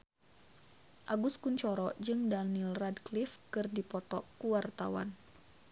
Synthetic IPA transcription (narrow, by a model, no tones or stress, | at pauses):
ʔaɡuskuɲt͡ʃɔɾɔd͡ʒɨŋdanilradklifkɨrdipɔt̪ɔkuwart̪awa̰n